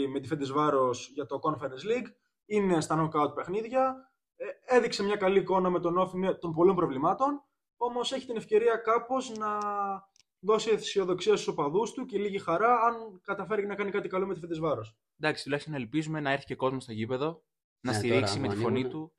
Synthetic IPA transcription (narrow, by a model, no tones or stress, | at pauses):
ime̞t̪ifend̪ezvɐɾo̞sʝɐt̪o̞ko̞nfeɾensliɡ | ine̞st̪ɐnokɐut̪̚pe̞xniðʝɐ | e̞ðikse̞mɲɐkɐliːko̞nɐme̞t̪o̞no̞fimet̪o̞mpo̞lo̞mpɾo̞vlimɐt̪o̞n | o̞mo̞se̞çi̥t̪ine̞fce̞ɾiɐkɐpo̞znɐ | ðo̞sieθi̥sio̞ðo̞ksiɐst̪u̥sopɐðust̪uceliʝixɐɾɐɐnkɐt̪ɐfe̞ɾecenɐkɐnikɐt̪ikɐlomet̪ifed̪ezvɐɾo̞s | nd̪ɐksi̥t̪ulɐçist̪onɐelpizume̞nɐeɾθi̥ce̞ko̞zmost̪ocipe̞ðo̞ | nɐst̪iɾiksime̞t̪ifo̞nit̪u